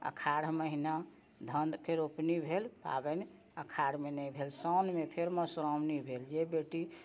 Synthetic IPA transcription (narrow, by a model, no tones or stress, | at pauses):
ə̰kʰaɾməɦina | d̪ʱənkʰeɾopnibʱelpa̰bɛni | əkʰaɾmenəjbʱelsɔnmepʰeɾməsɾɔmnibʱeld͡ʒebeʈi